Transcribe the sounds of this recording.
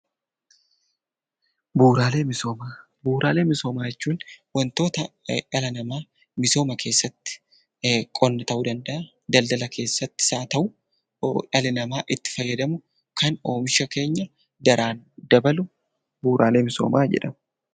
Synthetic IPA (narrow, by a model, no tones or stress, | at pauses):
buːɾaːle̞ːmɪsoːmaː | buːɾaːle̞ːmɪso̞ːmaːjɛt͡ʃːuːnwɐnt̪o̞ːt̪ɐɐlɐnɐmaː | mɪso̞ːmɐkʰe̞ːsːɐt̪ːɪ̥ | kʼɔnːɐt̪ɐʔʊd̪ɐnd̪ɐʔɐ | d̪ɐld̪ɐlɐkʰe̞ːsːɐt̪ːɪ̥saːt̪ɐʔʊ | ɐlɪnɐmaːʔɪt̪ːɪ̥fɐjːɐd̪ɐmʊ | kʰɐno̞ːmɪʃɐke̞ːɲːɐ | d̪ɐɾʔaːnd̪ɐbɐlʊ | buːɾaːle̞ːmɪso̞̰ːmaːd͡ʒɛ̰ᶑɐm